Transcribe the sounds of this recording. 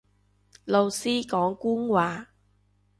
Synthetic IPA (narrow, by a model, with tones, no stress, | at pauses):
lo˨wsiː˥kɔː˨˥ŋkuː˥ŋwaː˨˩